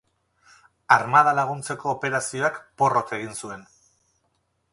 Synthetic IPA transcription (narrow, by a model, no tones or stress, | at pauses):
aɾmaðalaɣ̞unt͡se̞ko̞ːpe̞ɾasio̞akpo̞ro̞ke̞ɣ̞insue̞n